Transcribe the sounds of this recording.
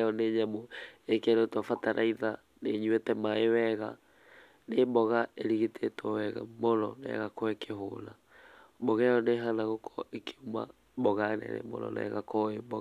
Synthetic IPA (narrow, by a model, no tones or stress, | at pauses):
ɔneɲamoekeɾotwafataɾʔa̰iða | neɲwetɛmaewɛɣa | nembɔɣaeɾiɣitʰetɔwɛɣa̰monɔ̰nɛ̰ɣakɔekeɦo̰na | bɔɣɛjɔneɦanaɣokʰɔ̥ʔekʰe̥uma̰ | bɔɣanɛ̰nḛmo̰nɔ̰nɛ̰ɣakɔebɔɣ